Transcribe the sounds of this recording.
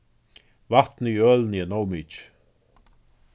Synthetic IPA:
vat̪nəjœːlniənowmit͡ʃ

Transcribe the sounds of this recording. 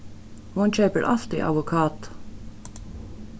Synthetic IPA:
hʊnc͡çœːpəɹʔɑft̪ɪ̰ʔɑ̰ʋʊkʰɑːt̪

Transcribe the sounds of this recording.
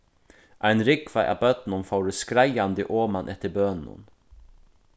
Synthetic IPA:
ʔæɪnɾɪkvæɪʔa̰bœt̪n̩ʊmfɑʊɾəskɾæɪand̪əʔoːmanʔɛt̪ːəbøːnn̩ʊ̰n

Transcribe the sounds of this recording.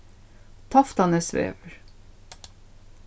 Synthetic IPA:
t̪ʰɑft̪ɑnəsʋḛːʋəɹ

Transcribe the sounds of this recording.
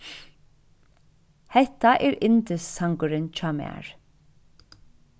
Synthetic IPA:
hɛht̪aʔɛːɹɪnt̪ɪsːaŋkʊɾɪnt͡ʃʰɑːmæ̰ːɹ̥

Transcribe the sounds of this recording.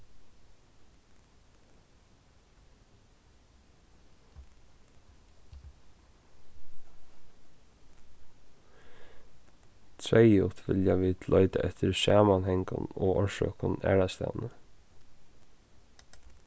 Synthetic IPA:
t̪ʰɾɛjʊt̪ʋɪljaʋiːd̪̥lœʏt̪aʔɛt̪ʰəɾsɑːmanhɛŋkanoːɔɹʃø̰ːkʊnæ̰ːɹast̪æ̰ːʋnə

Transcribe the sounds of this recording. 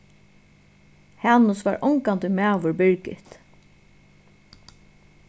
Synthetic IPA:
hanʊsʋaːɹʔɔŋkant̪ɪmæːʋʊɹbɪɹkɪ̰t̪

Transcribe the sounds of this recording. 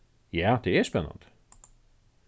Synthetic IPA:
jæːd̪̥eæspɛnːə̰nd̪

